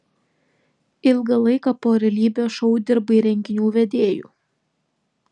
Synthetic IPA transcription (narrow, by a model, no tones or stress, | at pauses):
ɪlˠɡɐlˠɐɪkɑpoːɾʲɛlʲiːbʲoːʃɔʊd̪ʲɪɾbɐiɾʲɛŋʲɡʲɪnʲuːʋʲɛd̪ʲeːjṵː